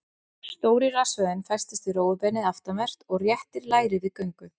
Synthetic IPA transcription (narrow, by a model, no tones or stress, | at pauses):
st̪oːwɾɪrasvœðɪnfɛj̥st̪ɪ̥st̪ɪroːwʏpɛnɪðaft̪amɛr̥t̪ɔɣrjɛht̪ɪɾlaːjɾɪðɪkœɥŋkʏθ